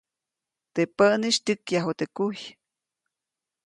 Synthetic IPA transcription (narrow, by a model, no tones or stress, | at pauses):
t̪epəʔniʃt̪ʲɨkjaɦot̪ekuj